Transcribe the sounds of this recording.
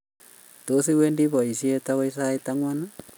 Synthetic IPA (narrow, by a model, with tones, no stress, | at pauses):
to˨˦si˦we˦ndi˦βɔ˨i˨sie˦tawa˦isa˦etaŋwana